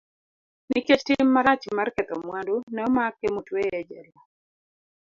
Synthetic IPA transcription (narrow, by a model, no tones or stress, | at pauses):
niket͡ʃtɪmːaɾat͡ʃmarkɛt̪ɔmwandunɛmakːemutweɛd͡ʒɛɾa